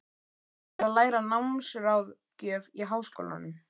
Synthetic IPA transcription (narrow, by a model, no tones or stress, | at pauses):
alaːjɾanawmsʏɾawð | cœːviɦaːwsko̰wla̰nʏm